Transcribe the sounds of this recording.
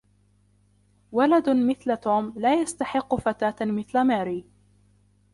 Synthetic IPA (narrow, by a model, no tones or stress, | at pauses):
walad̪mɪθlat̪oːmlaːjast̪aħɪqːʊfat̪aːt̪mɪθlamaːɾiː